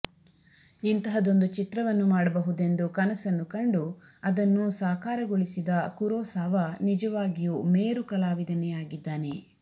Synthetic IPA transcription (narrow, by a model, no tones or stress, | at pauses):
int̪ɐɦɐd̪o̞nd̪ut͡ʃit̪ɾɐʋɐnːumaːɽɐbɐɦud̪e̞nd̪ukɐnɐsɐnːukɐɳɖuɐd̪ɐnːusaːkaːɾɐɡoɭisid̪ɐkuɾɔːsaːʋɐnid͡ʒɐʋaːɡijuːmeːɾukɐlaːʋid̪ɐnɛjaːɡid̪ːaːne̞